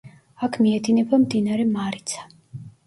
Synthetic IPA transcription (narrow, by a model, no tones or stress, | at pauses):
akʰmiɛd̪inɛbamd̪inaɾɛmaɾit̪sʰḁ